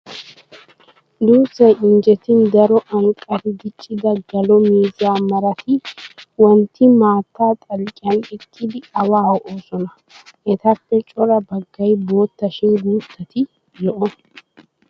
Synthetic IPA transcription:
d̪uːsɛɪnd͡ʒɛt̪ɪnd̪ɐɾɔʔɐŋkʼɐɾɪɡɪt͡ʃʼːɪd̪ɐɡɐlɔmiːzaːmɐɾɐt̪ɪwɔnt̪ːɪmaːt̪ːaːt̪ʼɐlkʼɪɐnɪkʰːɪd̪ɪɐwaːhɔʔoːsɔnɐ | ʔɛt̪ɐpːɛt͡ʃʼɔɾɐbɐɡːɐjbo̞ːt̪ːɐʃɪnɡuːt̪ːɐt̪ʰɪ | jɔʔɔ

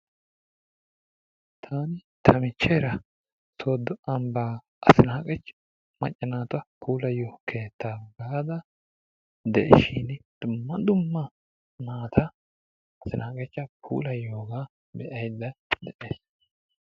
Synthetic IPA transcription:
t̪ʰaːnɪt̪ʰɐmɪt͡ʃːeːɾɐ | soːd̪ːɔɐmbaː | ɐ̰sɪnaːkʼɛt͡ʃː | mɐ̰t͡ʃʼːɐnaːt̪ʊɐpʰuːlɐjːokʰe̞ːt̪ːaɡaːd̪ɐ | d̪ɛ̰ʔɛʃind̪̥ʊmːɐd̪ʊmːɐ | naːt̪ʰɐ | ɐsɪnaːkʼɛt͡ʃːɐpʰṵːlɐjːoːɡaː | bɛʔɐjd̪ːɐd̪ɛʔeːs

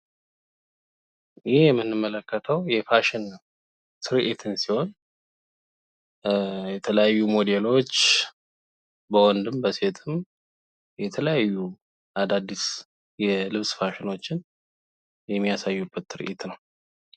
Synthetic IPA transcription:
jɪhjɛmːɨnːɨmːələkːət̪ʰəwjɛfaʃɪn | t̪ʰɨɾʔet̪ʰɨnsiho̞n | jɛt̪ʰələjajːumo̞d̪elo̞t͡ʃː | bəwɔnd̪ɨmbəse̞t̪ʰɨm | jɛt̪ʰələjajːu | ʔad̪ad̪ːis | jɛlɨβsfaʃɪno̞t͡ʃːɪn | jɛmːijasajːubːət̪ːɨɾʔet̪nəw

